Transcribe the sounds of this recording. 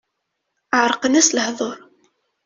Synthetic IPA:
əʕɾˤqənæsləhðˤoɾˤ

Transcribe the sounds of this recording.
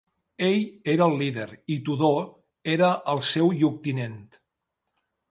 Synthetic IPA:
eʎeɾəːlˠːiðeɾit̪uðo | eɾəʔəlˠsɛwʎuk̚t̪inent̪

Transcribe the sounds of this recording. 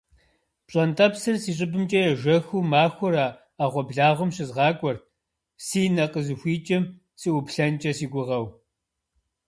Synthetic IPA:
pɕʼɐntʰʼɐpsɨrsiːɕʼɪbɨmt͡ʃʼɐjɛʒʷɐxuːmaːxʷʊɾaː | aːʁʷɔbɮaːʁʷʊmɕɪzʁɑːkʷʼɔr | siːnɐqəzɨxʷiːt͡ʃʼɐm | sɨʔʊpɬɐnt͡ʃʼɐsiːɡʷʊʁɐw

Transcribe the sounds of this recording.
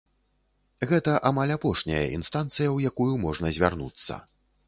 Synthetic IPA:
ɣɛt̪ɐʔamalʲapɔʂnʲɐ̰jɐ̰ʔḭnst̪ant̪sɨjɐwjakujumɔʐnɐzʲvʲarnṵt̪sːɐ̰

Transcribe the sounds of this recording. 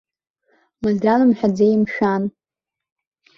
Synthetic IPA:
mɨzdanɨmħʷᶣad͡zejmʃᶣan

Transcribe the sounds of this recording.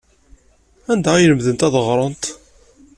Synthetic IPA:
ænd̪æjələmðənt̪æðəʁɾˤənt̪

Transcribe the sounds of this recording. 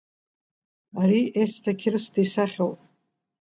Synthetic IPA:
aɾiestʰakʲʰɪrɨsdejsaχʲowpʼ

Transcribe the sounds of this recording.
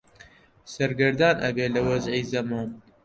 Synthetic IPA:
sɐɾɡɨɾd̪aːnʔɐ̰beːlɐwɐzʕiːzɐmaːn

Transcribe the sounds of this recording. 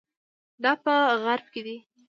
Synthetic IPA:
d̪ɑpəɣaɾb̚ked̪i

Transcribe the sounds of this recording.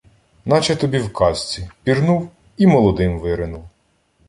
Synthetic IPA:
nɑt͡ʃɛt̪ɔbʲiwkʰɑsʲt͡sʲipʲirnuw | imɔlˠɔd̪ɪmʋɪɾɪnuw

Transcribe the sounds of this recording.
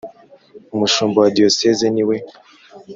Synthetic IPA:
umuʃuːmbowadiosezeniwe

